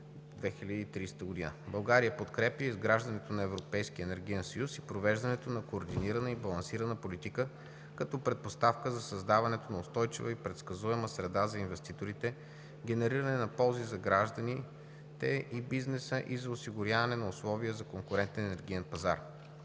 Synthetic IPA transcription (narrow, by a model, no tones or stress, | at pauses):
d̪vɛxilʲəd̪iːt̪ɾist̪əɡod̪inə̰bɐlˠɡaɾijəpot̪kɾɛpjəizɡɾaʒd̪ɐnɛt̪onɐɛvɾopɛjsk̟iəɛnɛɾɡ̟ijɛnsɐjusipɾovɛʒd̪ɐnɛt̪onɐkoːɾd̪iniɾɐnəibɐlˠɐnsiɾɐnəpolit̪ikə | kɐt̪ɔpɾɛt̪̚post̪afkəzɐsɐzd̪avɐnɛt̪onɐʊst̪ɔjt͡ʃivəipɾɛt̪skɐzuɛməsɾɛd̪azɐinvɛst̪it̪oɾit̪ɛ | ɡʲɛnɛɾiɾəɐnɛnɐpɔlˠzizɐɡɾaʒd̪ɐni | t̪ɛʔibiznɛsəʔizɐosiɡʊɾʲavɐnɛnɐʊslˠɔviəzɐkoŋkʊɾɛnt̪ɛnɛnɛɾɡ̟ijɛnpɐza̰ɾ